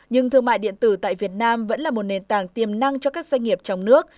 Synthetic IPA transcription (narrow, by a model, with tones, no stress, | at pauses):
ɲɨ˧ŋt̪ʰɨ˧əŋma̰ː˧˨jɗḭ˧˨ənt̪ɨ˧˩t̪a̰ː˧˨jvi˨˩ət̚naː˧mvə̰˧˥nlaː˨˩mo˨˩t̚ne˨˩nt̪aː˧˩ŋt̪i˨˩əmna˧ŋt͡ɕɔ˧kaː˦˥k̚zwɛ˧jŋ̟ŋi˨˩əp̚t͡ɕɔ˧wŋ͡mnɨ˦˥ək̚